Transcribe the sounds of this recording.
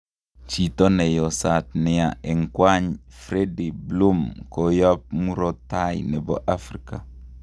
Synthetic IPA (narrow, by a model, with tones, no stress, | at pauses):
t͡ʃi˨tɔ˦nɛ˨jɔ˨sa˨tnɪ˦a˨ɛ˨ŋkwa˦ɲfɾedi˨blu˦mkoja˦p̚mu˦ɾo˦ta˦jnɛ˨bɔ̰˦ʔafɾika˨